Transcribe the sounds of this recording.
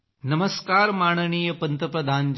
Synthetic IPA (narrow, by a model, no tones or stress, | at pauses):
nɐməskaːɾmaːɽ̃əniːjəpɐnt̪əpɾɐd̪ʱaːnd͡ʒ